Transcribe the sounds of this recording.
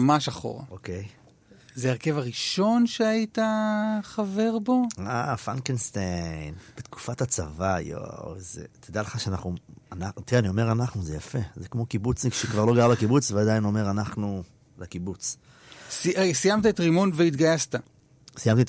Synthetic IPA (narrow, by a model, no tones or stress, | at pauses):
maʃaχo̞̰ʁa̰okej | zeeʁke̞vaʁiʃo̞nʃeajit̪aχave̞ʁbo̞afankenst̪ejnb̥et̪ku̥fathat͡savajo̰zḛt̪ʰed̪aleχaʃeanaχnuanat̪ianio̞me̞ʁanaχnuzejafe̞zekmo̞kibut͡sʃekvaʁlo̞ɡaʁlakibut͡svead̪ajino̞me̞ʁanaχnu | lakibut͡s | sisijamt̪aet̪ʁimonveit̪ɡajast̪a | sijamt̪it